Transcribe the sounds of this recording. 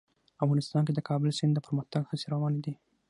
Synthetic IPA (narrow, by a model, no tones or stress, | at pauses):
afɣɑnɪst̪ɑnked̪əkʰɑbəlsɪnd̪əpəɾməxt̪aɡhaseɾawɑned̪i